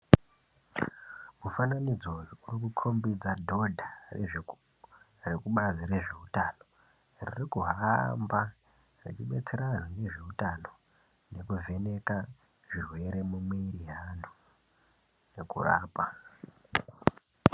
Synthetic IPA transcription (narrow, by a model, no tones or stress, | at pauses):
mufananid͡zojuurikukʰo̞mbid͡zadʱo̞dʱare | rekuɓaziɾe̞ʐe̞utano̞ | ririkuɦamba | rit͡ʃiɓe̞t͡se̞ɾanwone̞ʐe̞utano̞ | ne̞kuve̞ne̞ka | ʐirwe̞ɾe̞mumeiriɦano | ne̞kṵra̰ːpa